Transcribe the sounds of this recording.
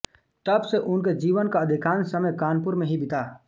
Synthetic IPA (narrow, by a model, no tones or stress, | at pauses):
t̪əbseʔʊnked͡ʒiːʋənkaɐd̪ʱɪkaːnsəməjkaːnpʊɾmẽɦibɪt̪aː